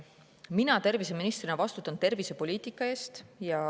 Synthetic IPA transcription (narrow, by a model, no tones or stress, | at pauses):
minɑt̪e̞rvise̞minist̪rinɑvɑst̪ut̪ːˑɑnt̪e̞rvise̞po̞lʲiːt̪ˑikːˑɑe̞ːst̪jɑ